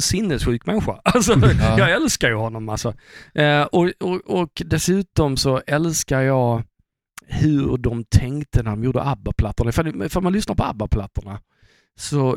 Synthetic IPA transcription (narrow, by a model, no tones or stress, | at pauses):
sɪnːɛsɧʉ̟ːkmɛnɧa̰alsɔjɑːɡɛlskaɾjəɦɔnːɔmalsɔ | ʔɔɔɔkd̪ɛsʉ̟ːt̪ɔmsɔʔɛlskaɾjɑː | hɵɖɔmt̪ʰɛŋkt̪ənædɔmjuːdə̰ʔabːapʰlat̪ːəɾɳaɪfafaɾnmanlʏsnaɾpʰɔa̰bːapʰlat̪ːəɳa | sɔ